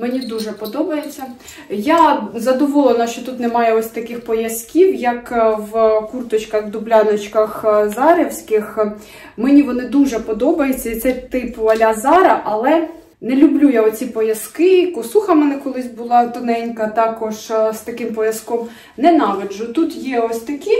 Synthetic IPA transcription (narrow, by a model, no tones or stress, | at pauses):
mɛnʲid̪uʒɛpɔd̪ɔbɐjet͡sʲːɐ | jazɐd̪ɔʋɔlˠenɐʃt͡ʃɔt̪ut̪nɛmɑjɛɔsʲt̪ɐkɪxpɔjɐskʲiwjɐkwkurt̪ɔt͡ʃkɐxd̪ʊblʲɑnɔt͡ʃkɐxzɑɾewsʲkɪx | mɛnʲiʋɔnɪd̪uʒɛpɔd̪ɔbɐjet͡sʲːɐit̪sɛt̪ɪpʋɐlʲɐzɑɾɐʔɐlˠɛ | nɛlʲʊblʲujaɔt͡sʲipɔjɐskɪkʊsuxɐmɛnɛkɔlˠɪsʲbʊlˠɑt̪ɔnɛnʲkɐt̪ɑkɔʒst̪ɐkɪmpɔjɐskɔm | nɛnɑʋʲɪʒʊt̪ut̪jɛɔsʲt̪ɐkʲi